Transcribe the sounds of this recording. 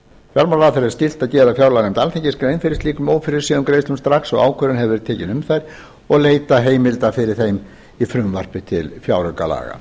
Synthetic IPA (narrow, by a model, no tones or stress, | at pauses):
fjalɾmanraːθɛɾɛɾ̥scɪl̥t̪aðcɛːðafjawɾlaɣnejmt̪alθʰeɲcɪskɾejnfɪɾɪst̪liːkʏmoːwfɪɾɪɾ̥sɛːðʏmkɾeːjst̪ʏmst̪ɾaksɔɣaːwkʰœɾʏnɦɛvɛɾɪt̪ʰɛːcɪnʏmθajɾ̥ | ɔɣleːjt̪aɦeːjmɪlt̪afɪɾɪɾ̥θejm | ifɾʏmvar̥pɪt̪ʰɪ̰lfjawɾœka̰la̰ːɣa̰